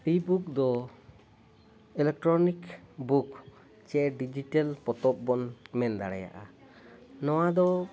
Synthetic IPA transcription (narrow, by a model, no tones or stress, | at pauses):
pibuk̚d̪ɔ | ɛlɛk̚ʈɾɔnikbuk | t͡ʃɛɖid͡ʒiʈalpɔt̪ɔp̚bɔnmɛnd̪aɽɛja̰ʔa̰ | nɔwad̪ɔ